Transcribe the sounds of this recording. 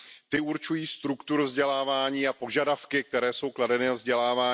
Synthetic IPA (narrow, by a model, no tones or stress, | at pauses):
t̪ɪuɾt͡ʃujiːst̪ɾukt̪uɾvzɟɛlaːvaːɲiːapo̞ʒadafkɪk̚t̪ɛɾɛːso̞wkladɛnɪvzɟɛlaːvaː